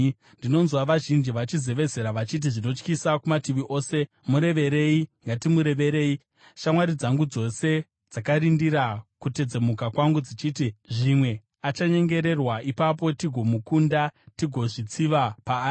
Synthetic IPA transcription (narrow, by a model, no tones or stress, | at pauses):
ndino̞nzwaʋaʒind͡ʒiʋat͡ʃize̞ʋe̞ze̞ɾaʋat͡ʃit̬iʐino̞t͡ʃkisakumatiʋiʔo̞ːse̞ | muɾe̞ʋe̞ɾe̞iŋɡatimuɾe̞ʋe̞ɾe̞ːi | ʃamwaɾid͡zaŋɡud͡zo̞se̞ | d͡zakaɾindiɾakute̞d͡ze̞mukakwaŋɡud͡zit͡ʃiːtiʐimwe̞ | at͡ʃaɲe̞ŋɡe̞ɾe̞rwaʔipap̬o̞tiɡʱo̞mukundatiɡʱo̞ʐit͡siʋapaː